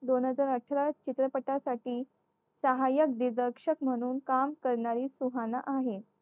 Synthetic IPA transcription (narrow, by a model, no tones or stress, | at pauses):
d̪onɦəd͡zaɾəʈʰːəɾat͡ɕit̪ɾəpəʈasaʈiː | səɦajək̚d̪iɾd̪əɾkʂəkm̤əɽ̃uːnkamkəɾɳaɾiːsuɦanaʔaɦe